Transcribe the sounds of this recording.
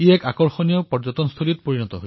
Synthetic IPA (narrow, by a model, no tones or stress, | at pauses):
iɛkakɔɹxɔnijɔpɔɹd͡ʒɔtɔnst̪ʰolit̚poɹinɔtɔɦoj